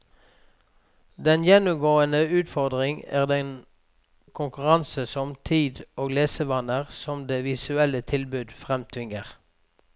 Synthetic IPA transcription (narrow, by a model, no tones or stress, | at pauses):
d̪ɛnjɛnʊmɡoːənəʉːt̪fɔʁd̪ʁɪŋæ̰ːʁd̪ɛn | kʰʊŋkʉʁɑnsəsɔmt̪ʰiːd̪oːɡleːsəʋɑnəʁsɔmd̪eːʋɪsʉɛlət̪ʰɪlbʉd̪fʁɛmt̪ʰʋɪŋəʁ